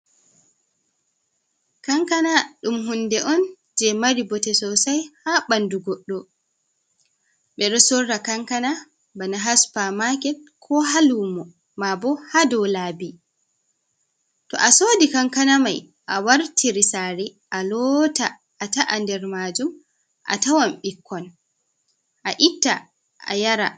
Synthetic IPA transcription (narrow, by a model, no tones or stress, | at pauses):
kaŋkanaɗumɦundɛʔɔn | d͡ʒɛmaɾibɔtɛsɔsajhaɓanduɡɔɗːɔ | ɓɛɾɔsɔrːakaŋkana | banaɦaspamakɛt̚kʰɔɦalumɔ | mabɔhadɔwlaːbi | tɔ̰ʔasoːdikaŋkanama̰j | ʔawaɾtʰiɾisaɾiʔalɔːta | ʔːtaʔandɛɾmaːd͡ʒum | ʔa̰tawamɓikʰːɔn | ʔaʔitːa | ʔa̰jaɾa̰